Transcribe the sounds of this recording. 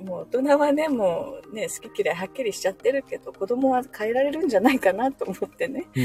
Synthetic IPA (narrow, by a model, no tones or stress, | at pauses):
moːt̪o̞naβane̞mo̞ːne̞sɨ̥kʲikʲiɾaiɦakʲːiɾʲiɕi̥t͡ɕat̪ːe̞ɾɯ̟ke̞d̪̥o̞ko̞d̪o̞mo̞βakʰaeɾaɾe̞ɾɯ̟̃ɲ̟d͡ʑanaikanat̪o̞ːmo̞t̪ːe̞ne̞